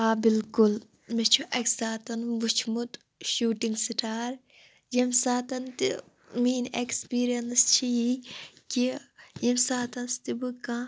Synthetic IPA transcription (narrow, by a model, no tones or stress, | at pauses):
aːbilkʊl | met͡ʃʰuʔɐksaːt̪ɐnʋut͡ʃʰmut̪ | ʃuːʈiŋɡsiʈaːɾ | jimsaːt̪ɐnt̪i | miːnekspiːɾijɐnst͡ʃʰiikijimsaːt̪ɐnst̪ibukã